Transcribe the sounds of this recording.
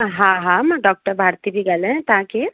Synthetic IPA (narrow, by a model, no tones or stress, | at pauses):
ɦãɦãmɖɔːk̚ʈəɾbʱaːɾt̪ibʱiɡɐlɦɛ̃t̪aːki